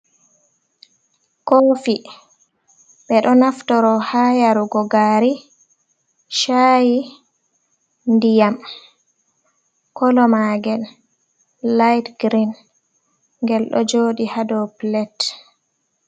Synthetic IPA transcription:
kofi | ɓɛɗɔnaftɔɾɔhajaɾuɡɔɡaɾi | ʃaji | ndijam | kɔlɔmaɡɛl | lajtɡɾin | ŋɡɛlɗɔ̰d͡ʒoːɗihadɔplɛt

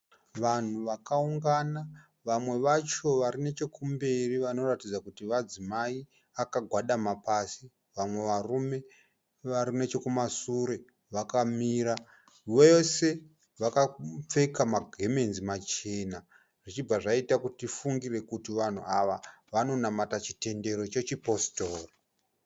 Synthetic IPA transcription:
ʋan̤uʋakauŋɡana | ʋamwe̞ʋat͡ʃo̞ʋaɾine̞t͡ʃe̞kumbe̞riʋano̞ratid͡zakutiʋad͡zimai | akaɡʱwaɗamapasi | ʋamwe̞ʋarume̞ | ʋaɾine̞t͡ʃe̞kumasuɾe̞ | ʋakamiːɾa | ʋese̞ | ʋakap͡fe̞kamaɡʱe̞me̞nzimat͡ʃe̞ːna | ʐ̥it͡ʃib͡vaʐaitakutifuŋɡire̞kutiʋan̤ṵaʋaʋano̞namatat͡ʃi̥te̞nde̞ɾo̞t͡ʃe̞t͡ʃipo̞stoːra

